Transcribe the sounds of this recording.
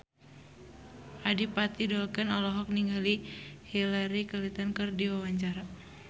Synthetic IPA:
ʔadipat̪idɔkənɔlɔɦɔk̚niŋɡalihilaɾikəlit̪ankərdiwawaɲt͡ʃaɾa

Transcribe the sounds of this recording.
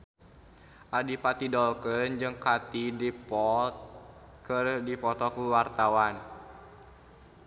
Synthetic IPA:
ʔadipat̪idɔlkənd͡ʒɨŋkat̪idipɔt̪̚ | kərdipɔt̪ɔkuwart̪awan

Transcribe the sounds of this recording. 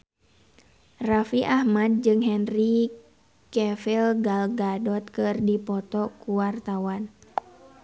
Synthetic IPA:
rafiʔahmad̚d͡ʒɨŋɦɛnri | kɛfilɡalɡadɔt̪̚kɨrdipɔt̪ɔkuwart̪awan

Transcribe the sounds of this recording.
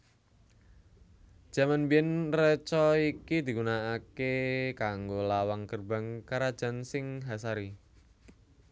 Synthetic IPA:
d̥ʒ̥ä̤manbiɛnrət͡ʃɔikid̪̥i̤ɡunaːkekaŋɡolawaŋkərba̤ŋkaɾad̥ʒ̥a̤nsɪŋɦasaɾi

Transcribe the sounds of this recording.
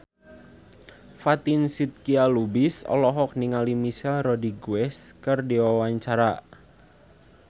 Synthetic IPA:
fat̪insit̪̚kialubɪsɔ̰lɔɦɔk̚niŋalimiʃɛlrɔdiɡuɛskərdiwawaɲt͡ʃaɾa

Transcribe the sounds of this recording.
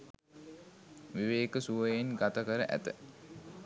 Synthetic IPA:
ʋiʋeːkəsuʋəjenɡat̪əkəɾəʔæ̰t̪ə̰

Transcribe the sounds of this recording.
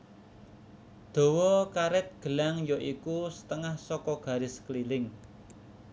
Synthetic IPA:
d̪̥o̤wɔkaɾɪt̪̚ɡ̥ə̤laŋjɔʔikusə̥t̪əŋahsɔkɔɡ̥ä̤ɾɪsklilɪŋ

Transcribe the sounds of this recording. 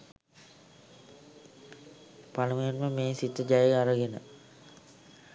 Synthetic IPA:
paləməjenməmeːsit̪əd͡ʒajeaɾəɡenə

